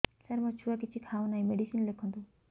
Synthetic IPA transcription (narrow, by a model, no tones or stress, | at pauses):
sɐɾmɔt͡ʃʰuak̬it͡ʃʰikʰawnaɦĩmeɖisinlekʰɔ̃nd̪u